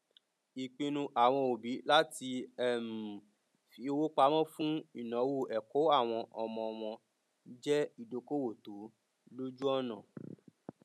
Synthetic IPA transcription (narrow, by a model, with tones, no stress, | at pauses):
i˨k͡pĩ˧nũ˧ʔa˨w̃ɔ̃˧o˨bi˨˦la˦ti˧ɛ˦˨m̩˨ | fi˨˧wo˦k͡pa˧mɔ̃˦fũ˦i˦˨nɔ̃˨˦wu˦˨ɛ˨ko˨˦a˦˨w̃ɔ̃˧ʔɔ˧mɔ̃˧ɔ˧m̃ɔ̃˧ | d͡ʒɛ˦i˦˨do˧ko˦wo˦˨to˨˦ | lo˦d͡ʒu˦ɔ˦nã˦˨